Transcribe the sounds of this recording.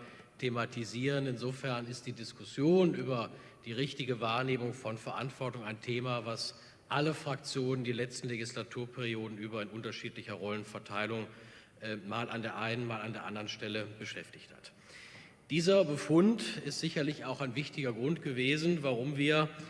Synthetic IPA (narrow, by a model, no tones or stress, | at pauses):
tʰematʰiziːʁ̞ənɪnzoːfɛɐnɪst̚d̥iːdɪskʊsjoːnʔyːbɐ | d̥iːʁɪçtɪɡəvaːɐneːmʊŋfɔnfɛɐʔantv̥ɔɐtʊŋaɪntʰeːmavas | ʔaləfʁ̥ak̚t͡sjoːnəndiːlɛt͡stn̩leɡislatʰuːɐpʰɛʁ̞ioːdn̩ʔyːbɐɪnʔʊntɐʃiːtlɪçɐʁɔlənfɛɐtʰaɪlʊŋ | ʔmaːlʔandeːɐʔaɪnənmaːlandeːɐʔandɐʁənʃtɛləbəʃɛftɪçtha̰t | d̥iːzɐbəfʊntɪstz̥ɪçɐlɪçaʊxaɪnvɪçtɪɡɐɡʁʊntɡ̥əveːzn̩vaʁ̞ʊmviːɐ